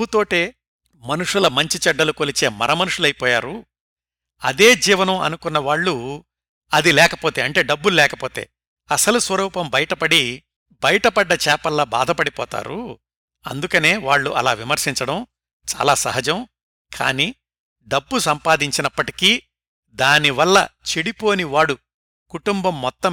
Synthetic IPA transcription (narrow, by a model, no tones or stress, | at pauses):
ut̪o̞ːʈeː | mɐnuʂulɐmɐɲt͡ʃit͡ʃɛɖːɐlukolit͡ʃe̞ːmɐ̰ɾʔɐmɐnuʂulɐjipɔːjaːɾu | ɐ̰d̪e̞ːd͡ʒiːʋɐnɐmɐ̰nukunːɐʋaːɭːu | ɐd̪ilɛːkɐpo̞ːt̪e̞ːɐɳʈe̞ːɖɐbːullɛːkɐpoːt̪e̞̰ː | ɐsɐlusʋɐɾuːpɐmbɐjɐʈɐpɐɽi | bɐjɐʈɐpɐɖːɐt͡ʃɛːpɐlːɐba̰ːd̪ʱɐpɐɽipɔ̰ːt̪a̰ːɾu | ɐ̰nd̪ukɐne̞ːʋaːɭːuʔɐlaːʋimɐɾʃiɲt͡ʃɐɽɐm | t͡ʃa̰ːlaːsɐ̰ɦɐd͡ʒɐm | kʰa̰ːniː | ɖɐbːusɐmpaːd̪iɲt͡ʃinɐpːɐʈi̥kiː | d̪aːniʋɐlːɐ̰t͡ʃeɽipo̞ːniʋaːɽu | kuʈumbɐmːɔt̪ːɐ